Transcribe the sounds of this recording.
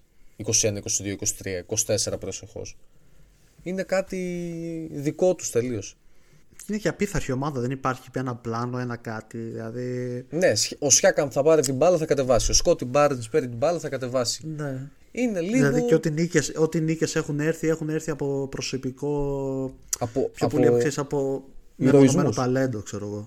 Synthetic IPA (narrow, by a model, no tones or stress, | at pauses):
iko̞sienɐiko̞siðio̞iko̞si̥t̪ɾiɐiko̞si̥t̪e̞se̞ɾɐpɾo̞sexo̰s | ine̞kɐt̪i | ðiko̞t̪u̥st̪e̞lio̞s | inecɐpiθɐɾçio̞mɐðɐðenipɐɾçie̞nɐplɐno̞e̞nɐkɐt̪iðilɐðine̞sosçɐkɐmθɐpɐɾit̪̬ibɐlɐθɐkɐt̪e̞vɐsio̞skot̪ibɐɾet̪ispeɾit̪ibɐlɐθɐkɐt̪e̞vɐsi̥ne̞ | ineliilɐðɣðieo̞t̪iniceso̞t̪inicese̞xune̞ɾθie̞xune̞ɾθiɐpo̞pɾo̞so̞piko̞ | ɐpopçopoliɐfksesɐpo̞ | meɾonozmenosp̪ɐle̞nd̪okse̞ɾo̞ɣo̞